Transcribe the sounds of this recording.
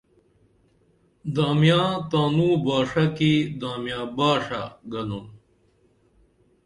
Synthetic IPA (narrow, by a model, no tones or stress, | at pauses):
d̪aːmjãːt̪aːnuːbaːʂɐkid̪aːmjãːbaːʂaɡɐnun